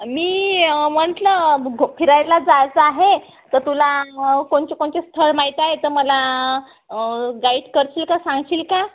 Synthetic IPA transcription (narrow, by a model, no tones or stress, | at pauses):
miːm̤əɳʈ̪ləɡopʰiɾajlad͡zad͡zaɦe | t̪əɾt̪ulakoɳt͡ɕekoɳt͡ɕest̪ʰəɭmaɦit̪aɦet̪əɾməla | ɡaiʈkəɾt͡ɕiːlkasãŋɡt͡ɕiːlka